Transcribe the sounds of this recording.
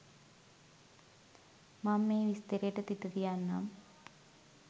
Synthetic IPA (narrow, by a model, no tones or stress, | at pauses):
mamːeːʋist̪eɾeʈːet̪it̪ːɐðijaːnːa̰ːm